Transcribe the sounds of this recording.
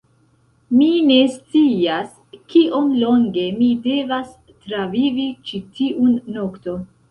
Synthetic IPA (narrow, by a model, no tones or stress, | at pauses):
mine̞st͡sias | kiʔo̞nlo̞ŋɡe̞mide̞vas | tɾavivit͡ʃitiʔunːo̞kto̞n